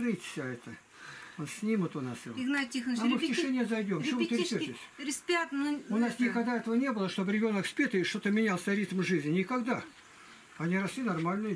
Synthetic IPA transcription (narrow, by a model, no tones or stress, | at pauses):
ɾɨt̪ʲsʲaɛt̪ə | onsʲnʲimət̪ʊnasiɪɡnatʲːixnomɨftʲɪʂɛnʲɪjəzɐjdʲomʲmut̪ɾɪpʲetʲɪsʲɾʲɪsʲpʲat̪ʊnasnʲɪkɐɡd̪aɛt̪əvənʲebɨlˠəʂt̪o̞bɾʲɪbʲo̞nəkspʲet̪əʂt̪o̞t̪əmʲɪnʲalˠsʲɐɾʲit̪mʐɨzʲnʲɪnʲɪkɐɡd̪a | ɐnʲiɾɐslʲinɐrmalʲnɨj